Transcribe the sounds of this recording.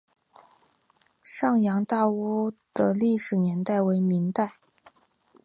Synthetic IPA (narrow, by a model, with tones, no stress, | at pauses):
ʂɑ˥˩ŋjɑ˧˥ŋt̪a˥˧u˥˩d̪̥ə˧li˥˩ʂɻ̩˨˩njɛ˧˥nt̪a˥˩ɪwe˧˥ɪmi˧˥ŋt̪a˥˩ɪ